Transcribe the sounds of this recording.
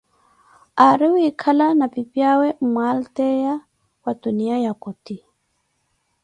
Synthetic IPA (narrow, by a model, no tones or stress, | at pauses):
aɾiwuikʰalanapipjawɛmwaltɛja | watuniajakɔti